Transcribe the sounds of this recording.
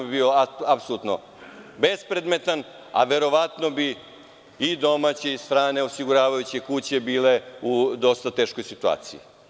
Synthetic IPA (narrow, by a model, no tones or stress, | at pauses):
bibiːoaapsolut̪no̰ | be̞spɾed̪me̞t̪an | a̰ʋe̞ɾo̞ʋat̪no̞bi | id̪o̞mat͡ɕe̞ist̪ɾaːne̞osiɡuɾaːʋajut͡ɕekut͡ɕe̞biːle̞ud̪o̞st̪at̪e̞ːʃko̞jsit̪ua̰ːt̪siḭ